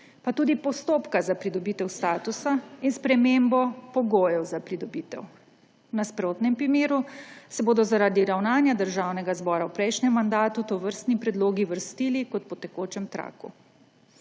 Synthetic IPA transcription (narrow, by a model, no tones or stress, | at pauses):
pat̪uːd̪ipɔst̪oːpkazapɾid̪ɔbiːt̪ɛwst̪aːt̪usainspɾɛmembɔpɔɡoːjɛwzapɾid̪ɔbiːt̪ɛ̰w | naspɾoːt̪nɛmpɾimeːɾusɛboːd̪ɔzaɾaːd̪iɾawnaːnjad̪əɾʒaːwnɛɡazbɔːɾawpɾɛjʃnɛmːand̪aːt̪ut̪ɔʋəɾst̪nipɾɛd̪loːɡiʋəɾst̪iːlikɔt̪̚pɔt̪ɛkoːt͡ʃɛmt̪ɾa̰ːkṵ